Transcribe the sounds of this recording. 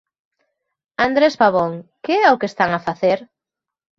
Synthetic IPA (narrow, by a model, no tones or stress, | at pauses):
and̪ɾespaβoŋkeɛaʊkest̪aŋafaθeɾ